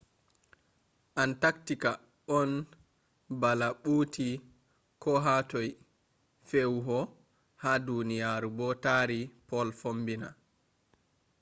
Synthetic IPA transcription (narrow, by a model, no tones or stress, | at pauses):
ʔantaktika | ʔɔn | balaɓuːtʰi | kɔɦatɔj | fewɦɔ | hadunijaɾubɔtaːɾipɔlfombina̰